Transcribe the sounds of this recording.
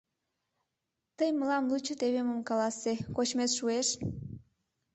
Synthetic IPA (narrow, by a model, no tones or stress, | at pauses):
t̪əjməlɑmlut͡ɕət̪eβeməmkɑlɑsekot͡ɕmesʃueʃ